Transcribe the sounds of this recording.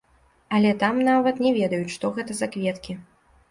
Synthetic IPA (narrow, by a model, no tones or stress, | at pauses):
ɐlʲɛt̪amnavɐt̪nʲɛvʲɛd̪ɐjut͡sʲʂt̪ɔɣɛt̪ɐzakvʲɛt̪kʲi